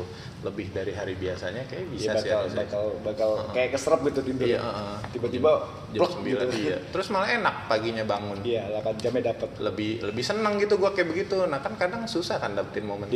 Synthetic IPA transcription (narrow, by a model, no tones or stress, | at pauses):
ləbɪhdaɾiɦaɾibiasaɲakaja̰ʔbisabaalbakalbakalʔkajakəsəɾəp̚ɡit̪ut̪ind̪ʊj̰ʔaʔət̪ibat̪iba | d͡ʒlɔsəmbiɡilujat̪əɾʊsmalaenak̚paɡiɲabaŋʊnijalakand͡ʒamadapət̪̚ləbɪhləbɪhsənəŋɡit̪uɡuakajaʔbəɡit̪unahkankadaŋsusahkandapət̪ɪnmomən